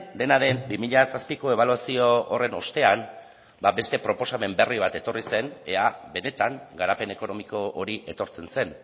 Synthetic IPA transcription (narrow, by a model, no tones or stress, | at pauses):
d̪e̞naðe̞mbimiʎasaspiko̞e̞β̞aluasio̞ːre̞no̞̰st̪e̞an | babe̞st̪e̞pɾo̞po̞same̞mbe̞riβ̞at̪e̞t̪o̞rise̞neaβe̞ne̞t̪aŋɡaɾape̞ne̞ko̞no̞miko̞ʔoɾiʔe̞t̪o̞ɾt͡se̞nse̞n